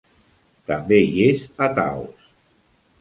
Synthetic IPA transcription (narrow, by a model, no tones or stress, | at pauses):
t̪əmbeiezat̪a̰ws